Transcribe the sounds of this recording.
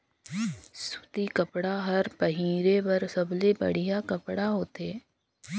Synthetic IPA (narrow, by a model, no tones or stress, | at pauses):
sʊ̥t̪ikəpɽaɦɐɾpəɦiːɾebɐɾsəblebə̰ɽ̤ijakəpɽaɦoːt̪eː